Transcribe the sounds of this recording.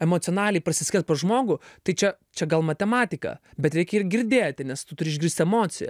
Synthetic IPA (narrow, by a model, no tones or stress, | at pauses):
ɛmot̪sʲɪɔnɑːlʲɛɪpɐsʲɪsʲkʲɛt̪̚poːʒmoːɡʊt̪ɐɪt͡ʃʲɛ | t͡ʃʲɛɡɐlˠmɐt̪ʲɛmɑːt̪ʲɪkɑ̰bʲɛt̪ɾʲɛɪkʲɪrɡʲɪɾʲd̪ʲeːt̪ʲɪnʲɛst̪ʊt̪ʊɾʲɪːʒʲɡʲɾiːsʲt̪ʲɛmoːt͡s̪ʲɪjɛ̰